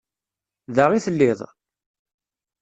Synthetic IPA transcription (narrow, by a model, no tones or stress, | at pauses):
ðəʁiθəlːɪðˤ